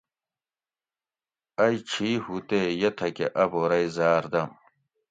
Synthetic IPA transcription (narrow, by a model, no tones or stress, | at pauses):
ɐjt͡ɕʰiːhut̪ejɐt̪ʰɐkeʔɐboɾɐjzaːɾd̪ɐm